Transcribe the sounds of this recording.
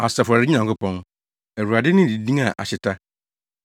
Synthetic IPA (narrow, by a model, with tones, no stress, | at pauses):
a˨sa˨fʊ˨ɾa˨ɾɪ˦ã˨ŋkʊ˦pɔ̃˦n | ɛ˨wu˨a˨dɪ˦nɪ̃˦˨di˨dĩ˦a˨ʔa̰˨ɕɪ˨tʰa˦